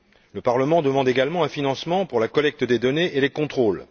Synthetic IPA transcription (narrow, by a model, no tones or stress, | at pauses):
ləpaʁləmɑ̃d̪əmɑ̃d̪eɡalmɑ̃ɛ̃finɑ̃smɑ̃puʁlakɔlɛk̚t̪d̪ed̪ɔneʔelekɔ̃t̪χol